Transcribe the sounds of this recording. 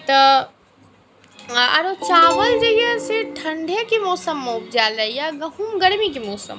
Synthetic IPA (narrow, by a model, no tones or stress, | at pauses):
t̪ɐ | ɐɾot͡ʃaːʋəld͡ʒɐjeseʈʰɐ̃ɳɖʱekimɔːsəmːoːp̚d͡ʒaːlɐjaɡɐɦumɡɐɽmikimɔːsə̰m